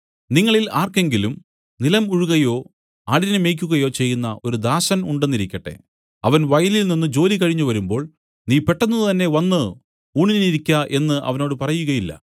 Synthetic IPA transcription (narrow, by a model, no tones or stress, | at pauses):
niŋːɐɭilaːrke̞ŋɡilum | nilɐmuɻuɣɐjo̞ː | aːɭiɾneme̞jk̬ʲːuɣɐjo̞ːt͡ɕe̞jːunːɐʔo̞ɾud̪aːsɐnuɳɖe̞nːiɾikʲːɐʈːe̞̰ | ɐʋɐnʋɐjɐlilninːɨd͡ʑo̞ːlikɐɻiɲːuʋɐɾumbo̞ːɭ | niːpe̞ʈːɐnːɐðɨt̪ɐnːe̞ʋɐnːɨ | uːɳinniɾikʲːɐʔe̞nːɨʔɐ̰ʋɐno̞ːɽɨpɐrɐjuɣɐjilːɐ̰